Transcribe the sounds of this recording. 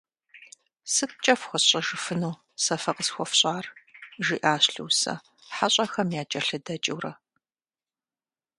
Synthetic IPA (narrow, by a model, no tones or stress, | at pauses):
sɨt̚t͡ʃʼɐfxʷɔɕʼɐʒɨfɨnuː | sɐfɐqəsxʷɔfɕʼaːrʒiːʔaːɕɬɨwːsɐ̰ | ħaɕʼɐxɐmjaːt͡ʃʼɐɬɨdɐt͡ʃʼɪwrɐ